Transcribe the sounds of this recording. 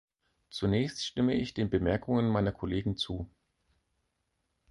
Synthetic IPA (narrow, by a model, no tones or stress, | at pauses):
t͡sunɛːçstʃtɪməʔɪçd̥eːnbəmɛɐkʰʊŋənmaɪnɐkʰoleːɡŋ̩t͡suː